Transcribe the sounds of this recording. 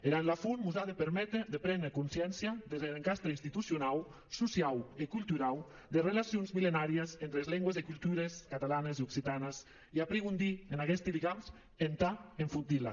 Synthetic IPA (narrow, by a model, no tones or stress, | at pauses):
eɾanlafunmuzaðepeɾmɛt̪ɾeðepɾɛnd̪ɾekunsjɛnsjaðezeleŋkast̪ɾeinst̪it̪usjunaw | susiawikulˠt̪uɾaw | d̪erelasjonzmilenaɾiezent̪ɾezlɛŋɡwezikulˠt̪uɾeskat̪alaneziuksit̪anəs | iapɾeɣund̪ienaɣɛst̪iðiɣams | ent̪aeɱfunt̪ila̰